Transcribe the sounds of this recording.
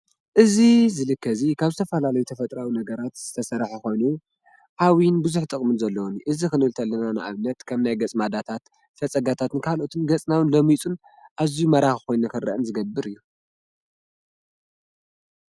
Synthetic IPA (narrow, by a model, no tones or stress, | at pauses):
ʔɨzizɨlɨkːɐzikʰaβzɨt̪ʰɐfɐlalɐjut̪ʰɐfɐt̪ʼɾawinɐɡɐɾat̪z̥ɨt̪ʰɐsɐɾħuko̞jnu | ʔawinbuzuħt̪ʼɨkʼmɨnzɐlːɐwuniʔɨzikɨnɨlt̪ʰɐlːɐnana̰ʔa̰βnɐt̪kʰɐmnajɡɐt͡sʼmad̪at̪ʰat̪ | fɐt͡sʼɐɡat̪ʰat̪ɨnkʰalʔo̞t̪ʰɨnɡɐt͡sʼnawɨnlomit͡sʼun | ʔazijumɐɾaxko̞jnakɨrɐ̰ʔɨnzɨɡɐbːɨɾɨjːu